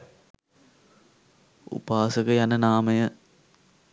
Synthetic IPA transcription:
ṵpaːsəkəjanənaːməjə

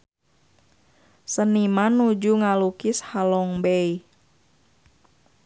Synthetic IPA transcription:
sənimanud͡ʒuŋalukishalɔŋbɛi

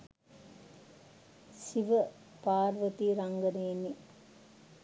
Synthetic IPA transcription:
siʋɐ | paːɾʋɐt̪iɾɐŋɡɐneːni

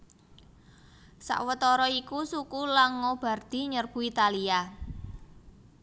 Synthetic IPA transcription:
sa̰ʔwət̪ɔɾɔikusukulaŋːob̥a̤rd̪̥i̤ɲərb̥ṳit̪alia

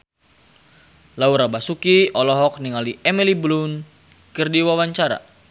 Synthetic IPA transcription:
lauɾabasukiɔlɔɦɔk̚niŋaliʔɛmiliblun | kərdiwawaɲt͡ʃaɾa̰

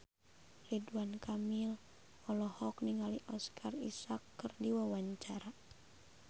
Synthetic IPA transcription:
liduwankʰamil | ɔlɔhɔk̚niŋaliʔɔskʰarḭsakːɨrdiwawaɲt͡ʃaɾa

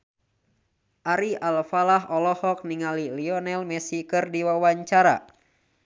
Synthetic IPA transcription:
ʔaɾialfalaɦɔlɔhɔk̚niŋaliliɔnɛlmɛsikɨrdiwawaɲt͡ʃaɾa̰

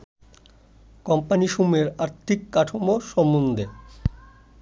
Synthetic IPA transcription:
kɔmpaniʃumeɾaɾt̪ʰikːaʈʰomoʃɔmund̪ʱe

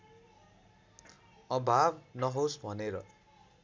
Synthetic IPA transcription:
ʌbʱabnʌɦosbʱʌneɾʌ

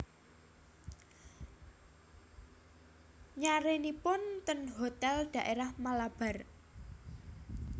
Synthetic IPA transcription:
ɲaɾenipʊnt̪ənɦot̪ɛlɖ̪̥ä̤ʔeɾahmalab̥a̤r

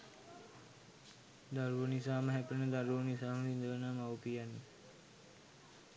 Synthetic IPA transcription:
d̪aɾuʋənisaːməɦæpənəd̪aɾuʋənisaːməʋind̪əʋənaːmawupijanːe

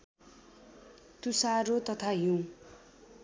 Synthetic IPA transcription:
t̪usaɾot̪ʌt̪ʰaɦjũ

